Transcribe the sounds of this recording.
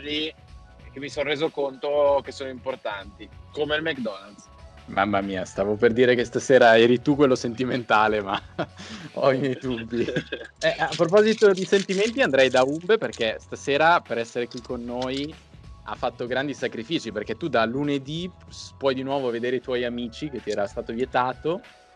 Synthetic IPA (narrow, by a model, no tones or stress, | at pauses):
ɾi | k̟emisonreːzokont̪okesoːnoimport̪ant̪ikomelmɛkd̪ɔnald̪ | ma̰mːamiːast̪aːvoperd̪iːɾekest̪aseːɾaɛːɾit̪ukːwelːosent̪iment̪aːlema | ɔimjɛjt̪ubiɛapːɾop̬ɔzit̪od̪isent̪iment̪iand̪ɾajd̪aumbeperkest̪aseːɾapeɾɛsːeɾekwikːonːoːj | a̰fːat̪ːoɡɾand̪isakɾifiːt͡ʃiperkɛt̪ːud̪aluned̪ipwɔjd̪inwɔːvoved̪eːɾeit̪wɔjamiːt͡ʃik̟et̪ːiɛːɾast̪aːt̪ovjet̪aːt̪o